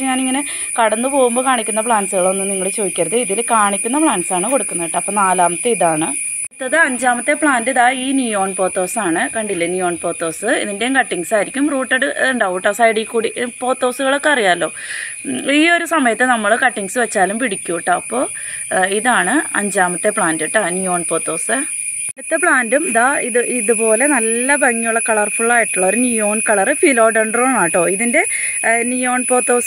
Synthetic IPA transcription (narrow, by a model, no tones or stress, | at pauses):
ɲaːniŋːɐne | kɐɽɐnːɨpo̞ːɣumbo̞ːkaːɳikʲːunːɐpɭaːnsɨɣɐɭo̞nːɨniŋːɐɭt͡ɕoːðikʲːɐɾɐðɨiðilkaːɳikʲːunːɐpɭaːnsaːɳɨko̞ɽukːunːɐʋiʈːɨɐpːoːnaːlaːmɐt̪ːeiðaːɳɨ | t̪ːɐðɨɐɲd͡ʑaːmɐt̪ːe̞pɭaːndiðaːiːnjujo̞ːɳpo̞ːt̪ːo̞ːsaːɳɨkɐɳɖilːɐnjujo̞ːɳpo̞ːt̪ːo̞ːsɨḭðinde̞ŋkɐʈːiŋsaːjiɾikʲːumruːʈːɐɽɨɳɖauːʈːɐsaːjiɽikːuːɽipo̞ːt̪ːo̞ːsuɣɐɭo̞kːɨɐrijaːlːo̞ː | iːo̞ɾusɐmɐjɐt̪ːɨnɐmːɐɭɨkɐʈːiŋɡsɨʋet͡ɕːaːlumpiɽikʲːuʋiʈːɐɐpːo̞ːiðaːɳɨɐ̰ɲd͡ʑaːmɐt̪ːepɭaːndiʈːanujo̞ːɳpoːt̪ːo̞ːsɨ | ɐt̪ːepɭaːndumiðaːiðɨiðupo̞ːle̞nɐlːɐbɐŋːijuɭːɐkɐɭɐrfuɭːaːjiʈːuɭːɐoɾunijo̞ːnkɐɭɐrɨfiːlo̞ːɖeɳɖroːnaːjʈːo̞ːiðinde̞nijoːɳpo̞ːt̪ːo̞ːs